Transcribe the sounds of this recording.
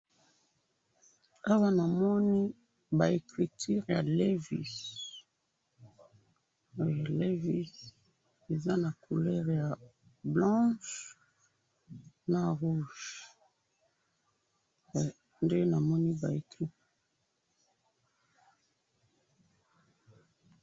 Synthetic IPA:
a˦wa˦na˨mɔ˦ni˦ | ba˨e˨kʁi˨tʰi˦ʁja˨le˦vḭ˦˨s | le˦vi˦s | e˨za˦na˨kʰu˨lɛ˦ʁja˨ | blɑ̃˦ʃ | na˨ʁu˦ʒ | nde˦na˨mɔ˦ni˦ba˨e˨kʁi˦p

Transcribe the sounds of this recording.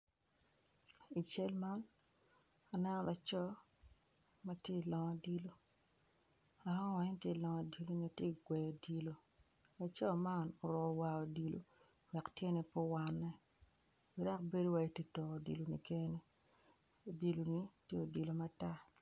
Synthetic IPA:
i˨t͡ʃe˦lma˦n | a˨nɛ˦nɔ˦la˨t͡ʃɔ˦ | ma˦tje˦˨lɔ˨ŋa˨di˦lo˦ | a˨˦wa˨ɲ˦ntje˦˨lɔ˨ŋa˨di˦lo˦ɲi˨a˨tje˦˨ɡwɛ˨o˨di˨lo˨ | la˨t͡ʃɔ˦ma˦no˨ɾɔ˨wa˨o˨di˨lo̰˨ | wɛ˨ktje˦nɛ˨po˦wa˨nːɛ˦ | wi˦ɾa˦kbe˦do˦wa˨i˦˨te˦tɔ˨o˨dḭ˨lo˨nḭ˨ke˦ne˦ | o˨di˨lo˨ni˦tje˦o˨di˨lo˨ma˨ta˦

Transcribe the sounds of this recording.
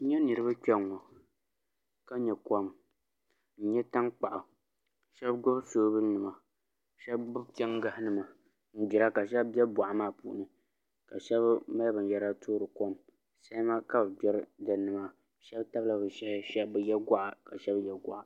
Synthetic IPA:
n̩˦ɲɛ˦nɨ˨ɾɨ˦ba˦t͡ʃʲɛ˦ŋːɔ˨ | ka˦ɲɛ˨kɔ˦m | n̩˦ɲɛ˦ta˦ŋk͡pa˨ʔʊ˨ | ʃɛ˦bɡʊ˦bsoː˦bɨ˦lnɨ˨ma˨ | ʃɛ˦bbʊ˦bkʲɛ˦ŋɡa˦hnɨ˨ma˨ | n̩˦d͡ʒi˨ɾa˦ka˨ʃɛ˦bbjɛ˦bba˨ʔa˨maː˦˨pṵ˨ʔnɨ˨ | ka̰˨ʃɛ˦bma˦lbɨ˨n˨jɛ˦ɾa˦toː˦ɾɨ˨kɔ˦m | sa˦ma˦ka˦bɨ˨bɛ˦ɾdɛ˨˦nɨ˨ma˦ | ʃɛ˦bta˦bla˨bɨ˨ʃɛ˦ʃɛ˦bɨ˨jɛ˦ɡʷa˦ʔa˨ka˨ʃɛ˦bjɛ˦ɡa˦ʔa˨

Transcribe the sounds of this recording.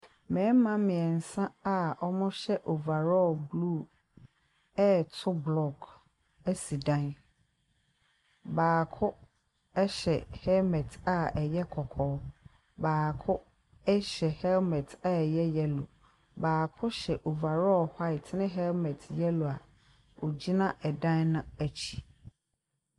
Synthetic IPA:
mɛ̃˨˦mã˦mɪ̃˨ɛ˨n̩˨sã˦a˨ɔ˦mʊ̃˦ɕɛ˦ʔo˨va˨ɾɔ˦˨blu˦˨ | ɛ˦tʰʊ˦blɔ˦˨ɡ | ɛ˦si˨dã˦n | baː˨kʰʊ˦ | ɛ˦ɕɛ˨hɛ˦lmɛ˨tʰa˨ɛ˨jɛ˦kʰɔ˨kʰɔː˨˦ | baː˨kʰʊ˦ | ɛ˦ɕɛ˨hɛ˦lmɛ̃˨tʰa˦ɛ˨jɛ˦jɛ˦lʊ˨ | baː˨kʰʊ˦ɕɛ˨ʔo˨va˨ɾɔ˦ha˦ɪ˨tʰnɪ̃˦ɦɛ˦lmɛ̃˨tʰjɛ˦lʊ˨a˨ | o˨d͡ʑi˦nã˦ʔɛ˨dã˦nnʊ̃˦æ˨t͡ɕʰi̥˨

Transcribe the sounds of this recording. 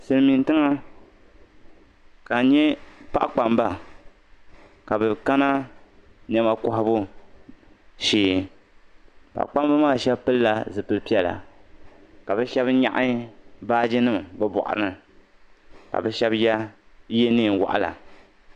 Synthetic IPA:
sɨ˨lmi˨n˦tɨ˦ŋa˦ | ka˨ɲɛ˦pa̰˦ʔk͡pa˨mba˦ | ka˨bɛ˨ka˦na˦ | ɲɛ˦ma˦kɔ˨hʊ˦bʊ˦ | ʃiː˨ | pa̰˨ʔk͡pa˦mba˦maː˦˨ʃɛ˦bpɨ˦lla˨zɨ˨pɨ˦lpi˦ɛ˦la̰˨ | ka˨bɛ˦ʃɛ˦bɲa̰˦ʔa˦baː˦d͡ʒɪ˦nɨ˦mbɛ˦bɔ̰˨ʔa̰˨ɾɨ˨ | ka̰˨bɛ˦ʃɛ˦bja˦je˦nɨː˦˨wa̰˨ʔa˨la̰˨

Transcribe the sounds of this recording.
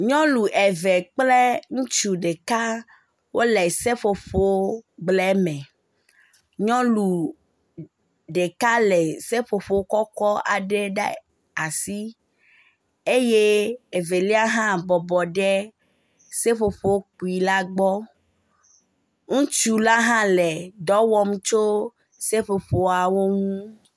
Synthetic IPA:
ɲɔ̃˦lu˨ʔɛ˨vɛ˨k͡ple˦ŋũ˦t͡ʃu˨ɖe˨ka˦ | wʔo˦le˨se˦ɸo˨ɸo˨˦ɡ͡blɛ˦mɛ̃˨ | ɲɔ̃˦lu˨ | ɖe˨ka˦lɛ˨se˦ɸo˨ɸo˨o˦kɔ˦kɔ˦a̰˨ɖe˦ɖḛ˦ | a˨si˦ | e˦je˦e˨ve˨li˦a˦ɦã˦bɔ˨bɔ˨ɖɛ˦ | se˦ɸo˨ɸo˨wo˦k͡pu˨i˨la˦ɡ͡bɔ˦ | ŋũ˦t͡ʃu˨la˦ɦã˦lɛ˨ɖɔ˦wɔ˦m˦t͡ʃo˦ | se˦ɸo˨ɸo˨a˨wo˦ŋũ˦

